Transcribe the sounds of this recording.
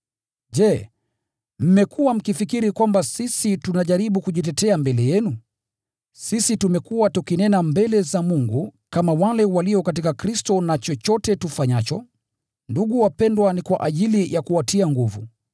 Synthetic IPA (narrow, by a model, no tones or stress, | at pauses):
ʄɛ | m̩mɛkʰuwam̩kifikiɾikwambasisitunaʄaɾiɓukuʄit̬ɛtɛambɛlɛjɛnu | sisitumɛkuwatukinɛnambɛlɛzamuŋɡukamawalɛwaliɔkat̬ikakɾistɔnat͡ʃɔt͡ʃɔtɛtufaɲat͡ʃɔ | nduɠuwapɛndwanikwa̰ʔaʄilijʔakuatʰiaŋɡuvṵ